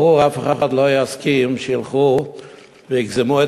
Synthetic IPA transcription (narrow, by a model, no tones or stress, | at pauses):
ʁuʁafeχaχad̪lojaskimʃəjilˠχu | veɪɡzɪmue